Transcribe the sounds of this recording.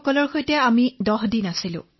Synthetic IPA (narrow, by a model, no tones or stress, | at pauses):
kɔlɔɹxojtɛamidɔɦdinasilʊ̰̃